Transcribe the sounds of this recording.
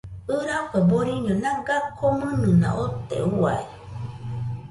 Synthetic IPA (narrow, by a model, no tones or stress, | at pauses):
ɨɾakeboɾiɲõnãɡakʰomɨ̃nɨ̃nã̰ʔot̪ḛua̰e